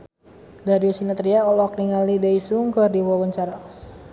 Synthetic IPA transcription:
daɾiɔsinat̪ɾiaɔlɔk̚niŋalidaisuŋkərdiwɔwɔɲt͡ʃaɾa

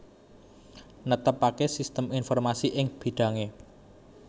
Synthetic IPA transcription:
nət̪əpakesist̪əminfɔrmasiʔɪŋb̥i̤ɖ̥a̤ŋe

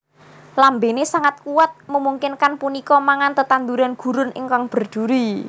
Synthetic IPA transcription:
lambenesaŋat̪̚kuwat̪̚məmuŋkɪnkanpunikɔmaŋant̪ət̪and̪uɾanɡ̥ṳɾʊnʔɪ̰ŋkaŋb̥ə̤rd͡ʒ̥uɾi

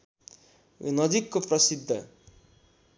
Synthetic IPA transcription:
nʌd͡zikːoprʌsid̪ʱːʌ̰

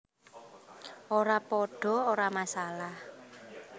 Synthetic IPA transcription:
ʔoɾapɔɖ̥ɔ̤oɾamasalah

